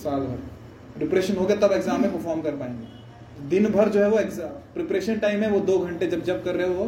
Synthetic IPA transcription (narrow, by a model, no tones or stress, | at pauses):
saːlbʱɐɾ | ɾɪpɾeːʃənɦoɡet̪ɐbeɡzaːmːẽpɐɾfʰɔːɾmkɐɾpaːẽːŋɡeː | d̪ɪnbʱɐɾd͡ʒoːɦɛʋoekzpɾɪpɾeːʃənʈaːɪmɦɛ̃ʋod̪oːɡʱɐ̃ɳʈed͡ʒɐbd͡ʒɐb̚kɐɾːeɦɛʋo